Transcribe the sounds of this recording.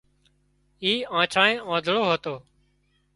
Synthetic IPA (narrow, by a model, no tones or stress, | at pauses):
iːãːt͡ʃʰaːɳẽːãːd̪ʱɭoːɦət̪oː